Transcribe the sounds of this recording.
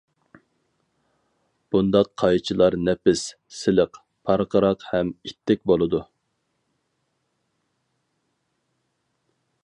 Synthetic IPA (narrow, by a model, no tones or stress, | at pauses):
b̥und̪ɑqʰːɑjt͡ʃʰilˠɑɾnɛpɪsː | ɪlɪq | pʰɑɾqəɾɑqhɛmit̪ʰːɛk̚ʲbolˠɨd̪u